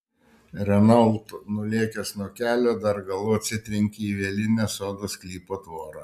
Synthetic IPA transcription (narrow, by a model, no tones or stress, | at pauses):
ɾʲɛnɐlˠt̪nʊlʲiɛkʲɛsnuɔkʲæːlʲoːd̪ɐɾɡɐlˠʊɐt̪ʲsʲɪt̪ʲɾʲɪŋʲkʲiiːʋʲiɛlʲɪnʲɛsoːd̪osklʲiːpoːt̪ʋoːɾɑ